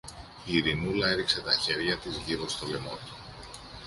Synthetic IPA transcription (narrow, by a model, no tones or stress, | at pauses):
iɾinulɐe̞ɾikse̞t̪ɐçe̞ɾʝɐt̪izʝiɾo̞st̪o̞le̞mot̪u̥